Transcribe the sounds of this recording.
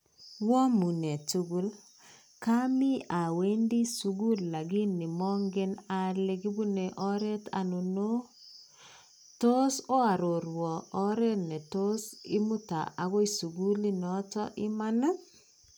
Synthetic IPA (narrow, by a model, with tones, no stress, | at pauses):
wɔ˦mu˨ne˨t͡ʃu˦ɡu˦l | ka˦mi˦a˨we˦ndi˦su˨ɡu˦lːa˨ɡi˦ni˨mɔ˦ŋɡe˦na˨le˦ɡi˦bu˦ne˨ʔɔ˦ɾe˦ta̰˨no˨no˦ | to˦so˦a˨ɾo˨ɾwɔ˨ʔːɾe˦ne˨to˦sɪ˦mu˦ta̰˨ʔa˨ko˦i˦su˨ɡu˦li˦nɔ˦tɔ˦ʔɪ˦ma˦na˦